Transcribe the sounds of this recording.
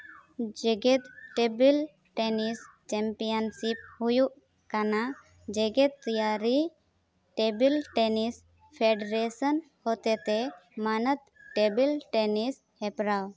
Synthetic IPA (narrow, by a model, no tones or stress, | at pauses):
d͡ʒɛɡɛt̪ʈebil | ʈenist͡ʃɛmpijənsip̚hujuʔ | kana | d͡ʒɛɡɛt̪̚t̪ijaɾi | ʈebilʈenis | pʰeɖɾesən | hɔt̪ɛt̪ɛmanət̪̚ʈebilʈɛnis | hɛpɾaw